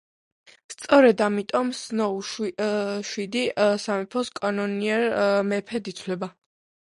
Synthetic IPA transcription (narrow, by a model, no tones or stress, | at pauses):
st̪sʼɔɾɛd̪amit̪ʼɔmsnɔu | ʃwid̪isamɛpʰɔskʼanɔniɛɾmɛpʰɛd̪it̪ʰwlɛba